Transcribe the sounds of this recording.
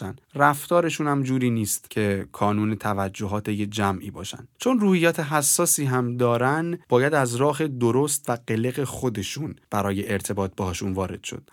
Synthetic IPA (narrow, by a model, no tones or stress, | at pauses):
ænræft̪ɒːɾe̞ʃuːnhæmd͡ʒuːɾiːniːst̪cʰe̞kʰɒːnuːnet̪ʰævæd͡ʒːo̞ɦɒːt̪ʰejed͡ʒæmʔḭːbɒ̰ːʃæ̰nd̪t͡ʃʰo̞nruːhijːɒːt̪ʰe̞ɦæsːɒːsiːɦæmd̪ɒːɾænb̥ɒːjæd̪æzɾɒːɦe̞d̪oɾo̞st̪væɢe̞le̞ɣe̞xo̞d̪e̞ʃunb̥æɾɒːje̞ʔeɾt̪ʰe̞bɒːt̪̚b̥eɦɒːʃunvɒːɾe̞d̪̥ʃo̞̰d̪̥